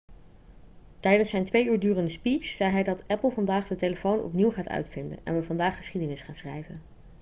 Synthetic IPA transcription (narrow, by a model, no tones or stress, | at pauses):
tɛjdənsɛjntʋejyːɹdyːrəndəspit͡ʃz̥ɛjɦɛjdɑtɛpəlˠvɑndaːχdəteləfownɔ̰pniwχaːtœ̰ɥtfɪndə̰nɛ̰nʋəvɑndaːχːə̥sχidənɪsχaːnsrɛ̰jvə̰n